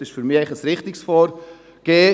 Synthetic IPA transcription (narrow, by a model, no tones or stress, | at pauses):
ɪʃfyɾmiːaɪχəsɾɪχt̪ɪksfɔːɾ | ɡ̥eː